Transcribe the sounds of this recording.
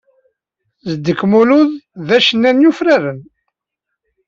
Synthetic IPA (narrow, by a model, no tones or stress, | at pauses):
zəd̪ːəkːmuluððæʃənːænjufɾæɾən